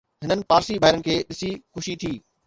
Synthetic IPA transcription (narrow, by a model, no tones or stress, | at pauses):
ɦɪnənɪ̆paːɾsibʱaːɪɾənɪ̆kʰeːɗɪsixʊʃit̪ʰiː